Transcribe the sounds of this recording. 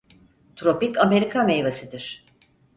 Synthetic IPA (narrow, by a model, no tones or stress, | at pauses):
t̪ʰɾo̞pikame̞ɾikʰamejvesid̪iɾ̥